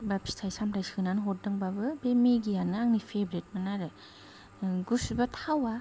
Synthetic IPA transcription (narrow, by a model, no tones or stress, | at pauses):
bapsʰi̥tʰajsamtajsɯnanɦɔt̚dɯŋbabɯbemeɡijanɯaŋnipʰebɾet̚manaɾɯ | ɡusubatʰawa